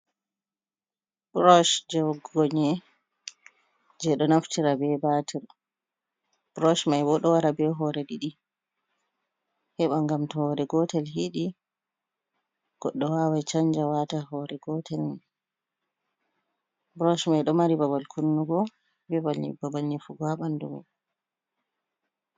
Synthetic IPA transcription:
bɾɔʃd͡ʒɛwɡɔɲɛ | d͡ʒɛɗɔnaftiɾabɛbatiɾ | b̥ɾɔʃmajbɔɗɔwaɾabɛɦɔɾɛɗiɗi | hɛɓaŋɡamtɔhɔɾɛɡɔtɛlɦiɗi | ɡ̥ɔɗːɔwawajt͡ʃaɲd͡ʒawataɦɔɾɛɡɔtʰɛlma | bɾɔʃmajɗɔmaɾibabalkʰunːuɡɔ | bɛbalɲḭbabalɲifuɡaɓanduma̰

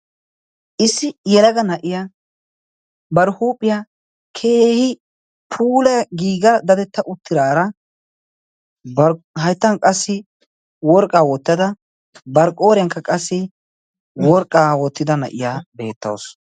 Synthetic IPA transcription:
ʔɪsːɪjɛlɐɡɐnɐʔɪja | bɐɾhuːpʼːɪja | kʰe̞ːhɪ | pʰuːlɐɡiːɡɐd̪ɐd̪ɛt̪ːɐʔʊt̪ːɪɾaːɾɐ | b | ɦɐjt̪ːɐŋkʼɐsːɪ | wɔɾkʼːaːwɔt̪ːɐd̪ɐ | bɐɾkʼo̞ːɾɪjɐŋkːɐkʼɐsːɪ | wɔɾkʼːaːwɔt̪ːɪd̪ɐnɐ̰ʔɪjaːbe̞ːt̪ːɐ̰ws

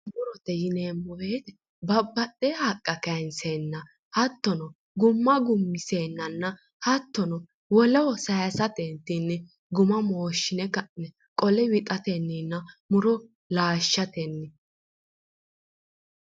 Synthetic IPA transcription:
mʊɾɔt̪ɛjɪneːmːɔweːt̪ɛ̥ | bɐbːɐɗːɛhakʼːɐkɐjnseːnːɐ | hɐt̪ːɔnɔ | ɡʊmːɐɡʊmːɪseːnːɐnːɐ | hɐt̪ːɔnɔ | wɔlɐwɔsɐjɐsɐt̪ɛnt̪ɪnːɪ | ɡʊmɐmoːʃːɪnɛkɐʔnɛ | kʼɔlɛwɪt̪ʼɐt̪ɛnːɪnːɐmʊɾɔ | laːʃːɐt̪ɛnːɪ

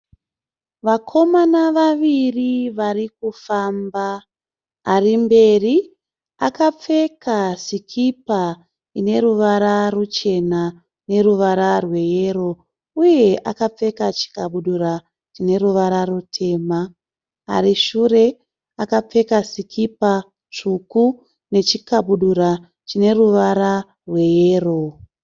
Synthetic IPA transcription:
ʋakʰo̞manaʋaʋiriʋarikufambaː | rimbe̞ri | akap͡fe̞kʰasikʰipa | ine̞ɾuʋaɾarut͡ʃe̞na | ne̞ruʋaɾarwe̞jeɾo̞ | uje̞ʔakap͡fe̞kat͡ʃi̥kaɓuɗuɾa | t͡ʃine̞ruʋaɾarutʰe̞ːma̰ː | ɾiʃure̞ | akap͡fe̞kasikʰipa | ʂuku | ne̞t͡ʃikaɓuɗuɾa | t͡ʃine̞ruʋaɾa | rwe̞jeːro̞

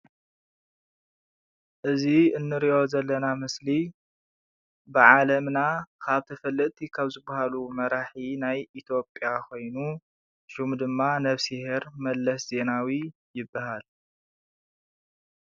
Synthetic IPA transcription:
ʔɨziɨnːɨɾiʔo̞zɐlːɐnamɨsli | bɨʕalɐmnakʰaβt̪ʰɐfɐlːɨt̪̚t̪ʰikʰaβzɨbːahalumɐɾaħinajʔit̪ʰjo̞pʼjakʰo̞jnu | ʃumd̪ɨmːanɐβsiheɾmɐlːɐsze̞nawi | jɪbːahal

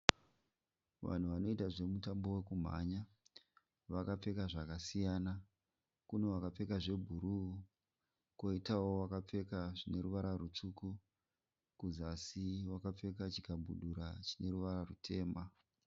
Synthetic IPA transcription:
ʋa̰n̤uʋano̞itaʐe̞mutambo̞wekum̤a̰ɲa | ʋakap͡fe̞kaʐakasijana | kuno̞wakap͡fe̞kaʐe̞bʱuɾu | ko̞itawo̞wakap͡fe̞kaʐine̞ɾuʋaɾaɾut͡ʂuku | kuzasiwakap͡fe̞kat͡ʃikabʱṵɗuɾat͡ʃine̞ɾuʋaɾarutʰe̞ːma

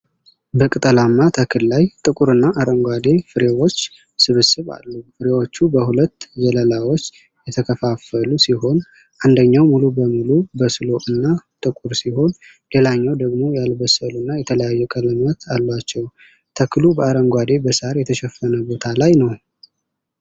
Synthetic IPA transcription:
bəkʼɨt̪ʼəlamːat̪ʰəkʰɨllajt̪ʼɨkʼuɾɨnːaʔaɾəŋɡʷad̪e̞fɨɾe̞wo̞t͡ʃː | sɨβɨsɨβa̰lːufɨɾe̞wo̞t͡ʃːubəhulət̪ːjɛləlawo̞t͡ʃː | jɛt̪ʰəkʰəfafəlusiɦo̞n | ʔand̪əɲːawmulubəmːulubəsɨlo̞ʔɨnːat̪ʼɨkʼuɾsiho̞n | le̞laɲːawd̪əɡmo̞jalbəsəlunːajɛt̪ʰələjajːɛkʼələɲat̪ʰalːat͡ʃːɛw | t̪ʰəkʰlubəaɾəŋɡʷad̪e̞bəsaɾjɛt̪ʰəʃɛfənəbo̞t̪ʰalajnəw

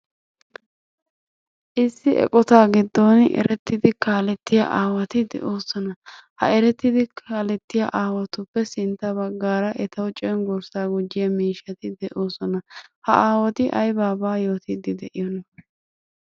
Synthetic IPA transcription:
ʔɪsːɪɛ̰kʼɔt̪aːɡɪd̪ːoːnʔɛ̰ɾɛt̪ːɪd̪ɪkaːlɛt̪ːɪja̰ʔaːwɐt̪ɪd̪ɛ̰ʔo̞ːsɔnɐhɐ̰ɛɾɛt̪ːɪd̪ɪkʰaːlɛt̪ːɪja̰ʔaːwɐt̪ʊpːɛsɪnt̪ːɐbɐɡːaːɾɐʔɛt̪ɐwt͡ʃʼɛnɡɔɾsaːɡʊd͡ʒːɪjɐmiːʃɐt̪ɪd̪ɛʔo̞ːsɔnɐhɐʔaːwɐt̪ɪʔɐjbaːbaːjo̞ːt̪ɪd̪ɪd̪ɛʔɪjɔnɐ

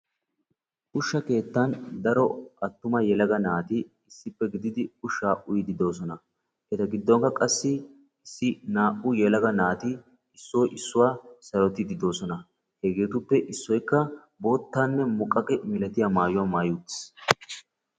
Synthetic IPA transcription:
ʔʊʃːɐke̞ːt̪ːɐnd̪ɐɾɔɐt̪ːʊmɐjɛlɐɡɐnaːt̪ɪ | ɪsːɪpːɛɡɪd̪ɪd̪ɪʊʃːaːʔʊjɪd̪ɪd̪o̞ːsɔnɐ | ʔɛt̪ɐɡɪd̪ːɔŋkɐkʼɐsːɪ | ɪsːɪnaːʔʊjɛlɐɡɐnaːt̪i | ɪsːɔjɪsːʊwaːsɐɾɔt̪ɪd̪ɪd̪o̞ːsɔnɐ | hɛɡeːt̪ʊpːɛʔɪsːɔjkːɐ | bo̞ːt̪ːaːnːɛmʊkʼːɐkʼɛmɪlɐt̪ɪjamaːjʊwɐmaːjuːt̪ːɪ̥s

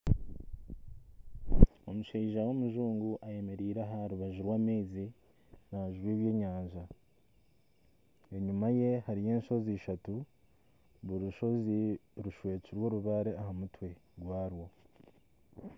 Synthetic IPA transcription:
o̞̰muʃeiʒawo̞muʒuːŋɡuʔaje̞me̞ɾiːɾaɦaɾuβaʒiɾwaːmeːzi | naʒuɾwiːβje̞ːɲaːɲʒa | e̞ɲumaje̞haɾije̞ːnʃo̞ziʃatu | βuɾuʃo̞ziɾuʃwe̞ːciɾwo̞ːɾuβaɾeahamutwe̞ɡwaːɾwo̞

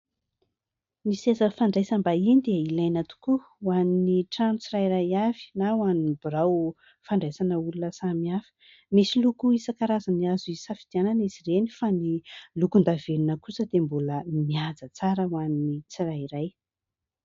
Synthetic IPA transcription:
misezəfaɳɖ͡ʐajsambainid̪eəilajnat̪u̥ku | waniniʈ͡ʂamut͡siɾajɾajavi̥nawaninibiraw | faɳɖ͡ʐajsanəulunəsamiafə̥ | misilukuisəkaɾazaniazuizsafid̪̥iananizirenifanilukund̪avenunəkusəd̪embuləmiad͡zət͡saɾəwaninit͡sirajraj

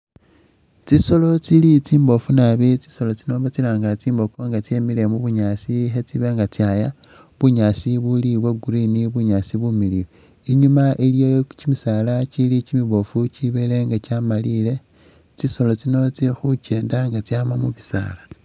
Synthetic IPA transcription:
t͡siso̞lo̞t͡silit͡siːmbo̞funaβit͡si̥so̞lot͡sino̞βat͡silaːŋɡat͡siːmbo̞koŋɡat͡sjemile̞muβuɲasixet͡siβeŋɡat͡sjaja | βuɲasiβuliβweɡuɾiniβuɲasiβumilijo | iɲumaʔilijo̞t͡ʃimisalat͡ʃilit͡ʃimiβo̞fut͡ʃiβele̞ŋɡat͡ʃamalile̞ | t͡siso̞lo̞t͡sino̞t͡sixut͡ʃe̞ːndaŋɡat͡sjamamuβisa̰la

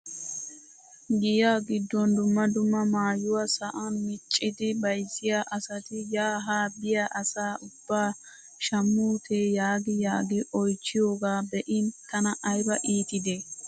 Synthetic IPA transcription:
ɡɪjaːɡɪd̪ːɔnd̪ʊmːɐd̪ʊmːɐmaːjʊwɐsɐʔɐnmɪt͡ʃʼːɪd̪ɪbɐjsːɪjaːʔɐsɐt̪ɪjaːɦaːbɪjaʔɐsaːʔʊb̥ːaː | ʃɐmːuːt̪ʰeːjaːɡɪjaːɡɪʔɔjt͡ʃːɪjo̞ːɡaːbɛʔɪnt̪ɐnɐʔɐjbɐʔiːt̪ɪd̪e

